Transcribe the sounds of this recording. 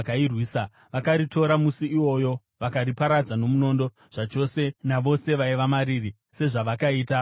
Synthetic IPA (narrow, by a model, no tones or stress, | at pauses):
kairwiːsa | ʋakaɾito̞ɾamusiiwo̞jo̞ | ʋakaripaɾad͡zano̞muno̞ːndo̞ | ʐ̥at͡ʃo̞se̞naʋo̞se̞ʋaiʋamaɾiri | se̞ʐaʋakaiːta